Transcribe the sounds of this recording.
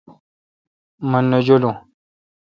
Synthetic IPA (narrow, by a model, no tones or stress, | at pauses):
mənːəd͡ʒolo